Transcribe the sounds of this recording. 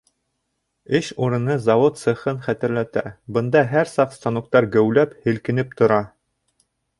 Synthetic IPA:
ɘɕuɾɤ̆nɤzɑvot̪sɤ̆χɤnχæt̪ɘ̆ɾlæt̪æ̰bɤ̆nd̪ɑɦæɾsɑqst̪ɑnuq̚t̪ɑɾɡæ̆wlæphɘ̆lkɘ̆nɘp̚t̪ŏɾɑ

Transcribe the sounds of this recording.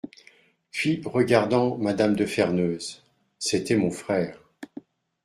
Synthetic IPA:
pɥiʁəɡaʁd̪ɑ̃mad̪amd̪əfɛʁnøːz | set̪ɛmɔ̃fχɛːʁ

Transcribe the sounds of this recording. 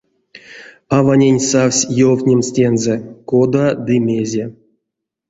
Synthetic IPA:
avanʲenʲsawsʲjowtʲnʲemsʲtʲenzɛkod̪ad̪ɨmʲezʲe

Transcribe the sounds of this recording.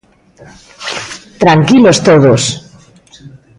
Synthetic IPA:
t̪ɾaŋkilost̪oðos

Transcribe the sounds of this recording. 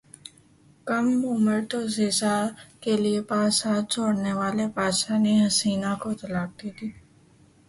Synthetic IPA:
kəmːuːməʈozɪzakeliepaːsaːt̪̚t͡ʃʰoːɽneʋaːlepaːʃaneɦɐsiːnakot̪ɐlaːk̚d̪iːt̪ʰiː

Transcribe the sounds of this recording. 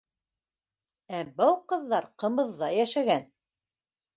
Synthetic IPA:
æbɤlˠqɤ̆ðːɑɾqɤ̆mɤ̆ðːɑjæʃæɡæn

